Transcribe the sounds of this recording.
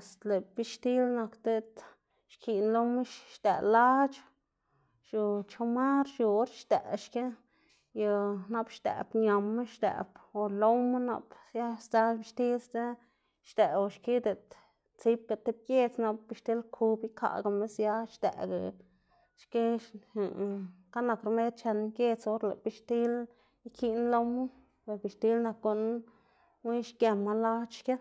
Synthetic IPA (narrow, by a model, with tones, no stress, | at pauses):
st̪le˨bi˧ʃt̪i˦lna˧kt̪e˦˧t̪ | ʃki˨nlo˧˦me˦ʃʃt̪ḛ˨la˦t͡ʃ | ʃu˨t͡ʃo˧ma˦ɾʃu˧˦ɾʃt̪ḛ˨ʃke˦ | ja˧na˦bʃt̪ḛ˨bɲa˨mːe˦ʃt̪ḛ˨bo˨lo˦wme˦na̰˧psja˦st̪a˧bi˧ʃt̪i˦sd̪e˦ | ʃd̪̥e˨o˧ʃki˦d̪e˨t̪ | t͡si˦b̚ka˧t̪e˦b̚kje˧t͡sna˧p̚bi˧ʃt̪i˦lkʰu˧bi˦kʰa̰˧˨ɡa˧me˦sja˧ʃd̪ḛ˨ɡa̰˨ | ʃke˦˨ | ka˦na˧kɾme˦t̪̚t͡ʃe˧nkje˧t͡so˦ɾla̰˨bi˧ʃt̪i˦l | i˦kʰi˦nlo˧wmɨ˦ | be˨bi˨ʃt̪i˦lna˧kɡu˧n | wi˦ʃkje˧ma˧la˦t͡ʃke˦